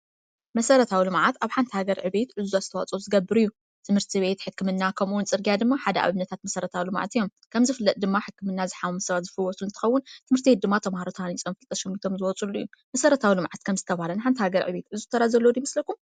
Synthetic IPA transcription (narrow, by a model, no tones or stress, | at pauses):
mɐsɐɾɐt̪ʰawilɨmʕat̪aβħant̪ʰihaɡɐɾʕɨβe̞t̪ʕɨzuaz̥ɨt̪ʰɐwa̰t͡sʼozɨɡɐbːɨɾɨjːu | t̪ʰɨmhɨɾt̪ʰiβe̞t̪ħɨkʰːɨmɨnːakʰɐmuunt͡sʼɨɾɡijad̪ɨmːaħad̪ɐʔa̰βɨnɐt̪ʰat̪mɐsɐɾɐt̪ʰawilɨmʕa̰t̪ijo̞m | kʰɐmzɨfɨlːɐt̪̚ʼd̪ɨmːaħɨkːɨmɨnːazɨħamumɨsɐβat̪zɨflwɔsulɨnt̪ʰɨxɐwːʊnt̪ʰɨmɨɾt̪ʰied̪ɨmːat̪ʰɐmhaɾot̪ʰanit͡sʼɐmfɨlt̪ʼɐʃɛmit̪ʰo̞mzɨwɔt͡sʼulːuijːumɐsɐɾɐt̪ʰawilɨmʕat̪̚kʰɐmzɨt̪ʰɐβaalɐnħant̪ʰihaɡɐɾʕɨ̰βe̞t̪ʕɨzuzt̪ʰːɐɾazɐlːod̪imɨslɐkum